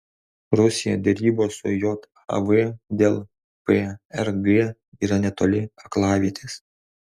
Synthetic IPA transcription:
ɾʊsʲɪjod̪ʲɛɾʲiːboːsʊ̰joːt̪ | ɐ̰ʋed̪ʲeːlˠ | peɛɾɡe | iːɾɐnʲɛt̪oːlʲɪɐklˠɑːʋʲiɛt̪ʲes

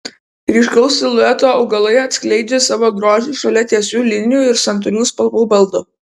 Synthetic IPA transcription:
ɾʲiːʃkɐʊsʲɪlˠʊɛt̪oːɒʊɡɐlˠɐɪɐt̪ʲsʲkʲlʲɛɪd͡ʒʲesɑːʋoːɡɾoːʒʲiːʃɐlʲɛt̪ʲiɛsʲuːlʲɪnʲɪjuːɪɾsɐnt̪̬ʊɾʲuːspɐlˠbuːbɐlˠˑd̪ʊ

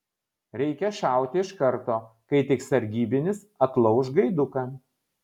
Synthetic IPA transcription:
ɾʲɛɪkʲɛʃɑˑʊt̪ʲɪɪʃkɐɾt̪oː | kɐɪt̪ʲɪksɐɾʲɡʲiːbʲɪnʲɪsɐt̪lˠɐʊʃɡɐɪd̪ʊkɐ

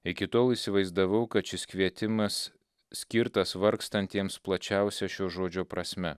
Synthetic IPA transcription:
ɪkʲɪt̪oːlˠisʲɪʋɐɪzd̪ɐʋɐʊkɐt̪t͡ʃʲɪsʲkʲʋʲiɛt̪ʲɪmɐs | sʲkʲɪɾt̪ɐsʋɐɾkst̪ɐnʲt̪ʲiɛmsplˠɐt͡ʃʲæˑʊsʲɛʃʲoːʒoːd͡ʒʲoːpɾɐsʲmʲɛ

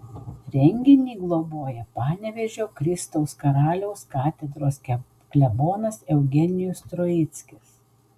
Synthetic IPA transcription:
ɾʲɛŋʲɡʲɪnʲiːɡlˠoboɔjɛpɑːnʲɛʋʲɛʒʲoːkɾʲɪst̪ɐʊskɐɾɑːlʲɛʊskɑːt̪ʲɛd̪ɾoːsʲ | klʲɛboːnɐsɛʊɡʲɛnʲɪjʊst̪ɾojɪt̪sʲkʲɪs

